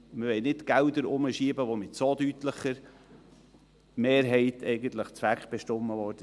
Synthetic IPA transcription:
məʋɛɪnɪtɡ̥æld̪əɾʊməʃiːbəʋomɪtsod̥̪ytləχəɾ | meːɾɦɛɪt̪ʰɛɪɡən̩t̪ləχt͡sʋækχb̥ɛʃtʊmːəʋɔːɾd̥ə

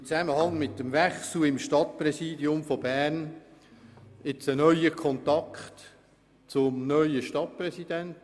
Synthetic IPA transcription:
ɪt͡sæməhɑŋmɪtːəmvæχsl̩ɪmʃtɑt̚prɛsiːdiʊmfobæːrn | ɪt͡sənœʏəkʰɔnt̪ɑkχt | t͡sʊmnœʏəʃtɑt̚prɛsid̥ænt

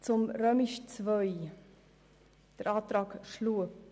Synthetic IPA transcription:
t͡sʊmɾœːmɪʃt͡svœʏ | d̥əɾɑːt̪ɾɑːkʃluə

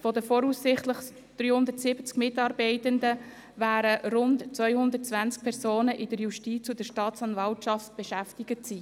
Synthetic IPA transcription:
fɔd̪əfɔɾuːsɪχt̪ləχ | d̥ɾyːhʊnd̪əɾtsɪb̥ət͡skmɪtɑːɾbɛɪtənd̪ə | væːɾəɾʊntt͡sʋœʏhʊnd̪ət̚t͡svænsk̚pʰɛɾsoːnəʔɪd̥əɾjuʃtit͡sud̥əɾʃtɑːtt͡sɑnvɑltʃɑft̚b̥ɛʃæftɪɡətsiː

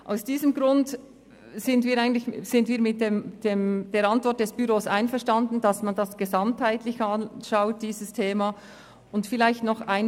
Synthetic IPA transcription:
ʔa̰ʊsd̥iːzəmɡʁʊnt | z̥ɪndviːɾaɪɡən̩tlɪçz̥ɪndviːɐmɪt̚deːmd̥eːmd̥eːɾɑntv̥ɔɾt̚d̥ɛsb̥yʁoːsaɪnfɛɐʃtandn̩dɑsmandasɡ̥ezɑmthaɪtlɪçɑnʃaʊt̚d̥iːzəstʰeːma | ʊntfɪlaɪçtnɔχaɪn

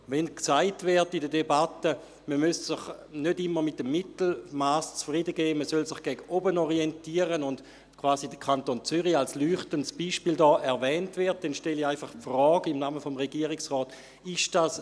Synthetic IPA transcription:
vɛnksaɪtvɛɐtidədebatə | məmyssɪχnødɪmːəmɪtːəmːitl̩maːst͡sfʁidəɡeːməsølsɪχɡ̥ɛɡəɔbənɔʁientiːəʁənʊnd | kʰvaːzidəkʰantoːnt͡syʁialslyːχtəntsb̥iʃpiːldɔːʔɛɐvɛːntvɪɐt̚d̥ɛnʃtɛliaɪfaχpfʁɔːɡɪmnaːməfomʁeɡiːəʁɪksʁɔːt | ɪʃd̥aːs

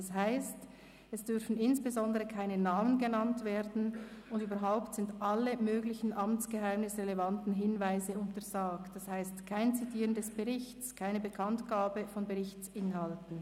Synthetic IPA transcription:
shaɪst | ɛsd̥ʏʁfn̩ɪnsb̥ezɔndəʁəkʰaɪnənaːmənɡənantv̥eːʁdn̩ʊndyːbɐɾɦaʊptz̥ɪndʔaləmøːɡlɪçn̩ʔamt͡sɡ̥əɦaɪmnɪsʁɛlevantn̩ɦɪnvaɪzəʊntɐzaːktd̥ashaɪstkʰaɪnt͡sitiːʁəndɛsb̥əʁɪçtt͡skʰaɪnəbəkʰantɡ̥aːbəfɔnbəʁɪçt͡sɪnɦaltn̩

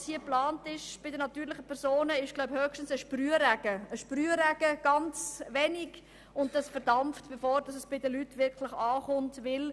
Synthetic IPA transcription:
shiəplɑːntɪʃb̥ɪdənɑtyːɾlɪχəpʰɛɾzoːnəɪʃɡlaʊbhœːkʃtən̩səʃpryːəɾæɡ̥əəʃpryːəɾæɡ̥əɡ̥ɑnt͡sʋɛnɪɡ | ʊnt̚d̥ɑsfɛɾdɑmftb̥efoːɾd̥ɑsɛsb̥ɪdəlytʋɪɾkʰlɪχɑːχʊntʋɪl

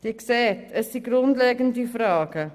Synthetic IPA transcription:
d̥iksɛtʰɪsd̥iɡrɔntlɛːɡəndifrɑːɡə

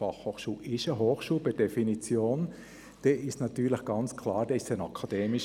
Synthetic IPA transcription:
ɑχhoːχʃuːlɪʃəɦoːχʃuːlpɛd̥ɛfinit͡sjoːn | d̥ɛːɪʃtnɑt̪yːɾləχɡ̥ɑnt͡skʰlɑːɾd̥ɛːɪʃtənɑkʰɑd̥ɛːmiʃ

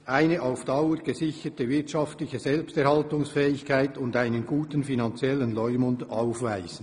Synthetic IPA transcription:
ʔaɪnəʔaʊfd̥ɑʊəɾɡ̥əzɪçətəvɪɐtʃɑftlɪçəzɛlpstɛɐɾhɑltʊŋsfɛːɪçkaɪtʊndaɪnənɡuːtənfinɑnt͡sjɛlənlɔʏmʊndaʊfvaɪz̥n̩

